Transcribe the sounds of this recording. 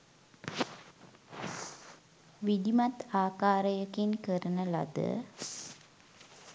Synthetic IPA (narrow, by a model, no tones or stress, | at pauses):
ʋid̪imɐt̪aːkaːɾəjəkinkəɾənəlɐ̰d̪ə̰